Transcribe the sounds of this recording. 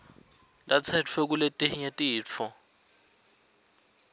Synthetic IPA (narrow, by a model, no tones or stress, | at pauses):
lat͡sʰɛt͡fʰwɛk̬uletʼiɲetʼiːɔ